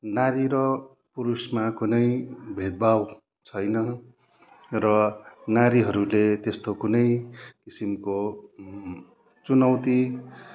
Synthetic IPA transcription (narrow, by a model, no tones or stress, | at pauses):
naɾiɾʌ | puɾusmakunʌjbʱed̪̚bʱaw | t͡sʰʌjnʌ | rʌnaɾiɦʌɾulet̪est̪okunʌjkisimko | t͡sunʌwt̪i